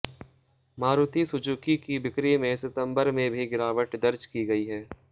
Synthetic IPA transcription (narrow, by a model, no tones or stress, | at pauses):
maːɾuːt̪isʊd͡ʒuːkikibɪkɾimẽsɪt̪ə̃mbəɾmẽbʱiɡɪɾaːʋəʈd̪ɐɾd͡ʒkiɡɐiɦɛː